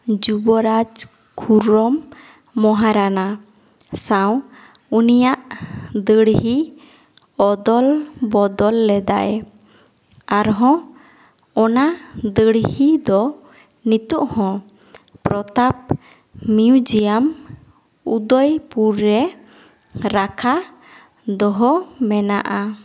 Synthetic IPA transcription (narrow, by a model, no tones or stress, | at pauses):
d͡ʒubɔɾad͡ʒ | kʰuɾɔmː | ɔɦaɾana | saw̃ | unijaʔd̪əɽhi | ɔd̪ɔlbɔd̪ɔlːɛd̪a̰ʔɛ | aɾɦɔ̃ | ɔnad̪əɽhid̪ɔ | nit̪uʔhɔ̃ | pɾɔt̪ap̚ | miud͡ʒijam | ud̪ɔjpuɾːɛ | ɾakʰa | d̪ɔɦɔmɛna̰ʔa